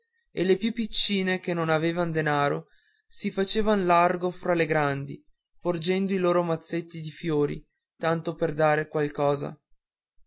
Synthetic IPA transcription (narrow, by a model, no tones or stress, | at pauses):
elepjupːit͡ʃːiːnekenːonaveːvand̪enaːɾo | sifat͡ʃeːvanlarɡofɾaleɡɾand̪i | pord͡ʒɛnd̪oiloːɾomat̪sːet̪ːid̪ifjoːɾḭ | t̪ant̪operd̪aːɾekwalkɔːza̰